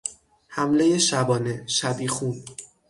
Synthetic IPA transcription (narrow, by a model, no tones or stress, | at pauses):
hæmle̞je̞ʃæbɒːne̞ʃæbiːxuːn